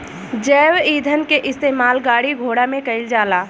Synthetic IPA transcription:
d͡ʒɛːwiːd̪ʱənkeʔɪst̪eːmaːlɡaːɽiɡʱoːɽamẽkɐɪld͡ʒaːlaː

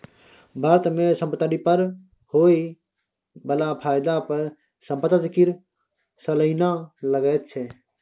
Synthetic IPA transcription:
bʱaɾət̪mẽsə̃mpət̪əɾipəɾ | hoːi | bəlapʰaːjd̪apəɾ | səmpət̪ət̪kiɾ | sələɪnaləɡəːt̪̚t͡ʃʰɛ

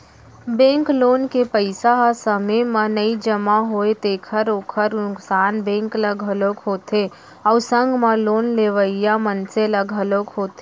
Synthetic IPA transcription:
bẽːŋkloːnkepəɪsaɦsəməmənəid͡ʒəmaɦoet̪eːkʰəɾoːkʰəɾnʊksaːnbẽːŋkləɡʱɦəloːkɦoːt̪ʰe | ɔʊsə̃ŋɡmeloːnleʋəijamənseləɡʱɦəloːkɦoːt̪e

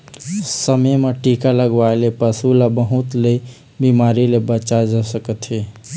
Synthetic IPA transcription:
səməjmeʈikaləɡʋaelepəsulabəɦut̪le | bimaɾilebət͡ʃad͡ʒasəkət̪ɦi

